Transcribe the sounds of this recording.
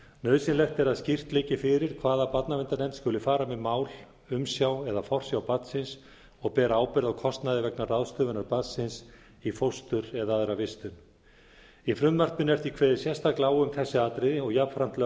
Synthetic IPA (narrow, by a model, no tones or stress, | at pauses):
nœːðsɪnlɛht̪ɛɾaðscɪr̥t̪lɪːcɪfɪɾɪɾ̥kʰvaːðapat̪navɪnt̪anɛnt̪skʏlʏfaːɾamɛðmaːwl | ʏmsjawɛðafɔr̥sjawpat̪sɪns | ɔɣpɛːɾaaːwpɪɾðakʰɔst̪naðɪvɛknaraðst̪œːvʏnaɾpaðsɪns | ifowst̪ʏɾɛðaaðɾavɪst̪ʏn | ifɾʏmmar̥t̪ɪnɛɾ̥θikʰvɛːðɪsjɛst̪aklaːwʏmθɛsːɪaːt̪ɾɪðɪɔɣjapfɾan̥t̪lɛ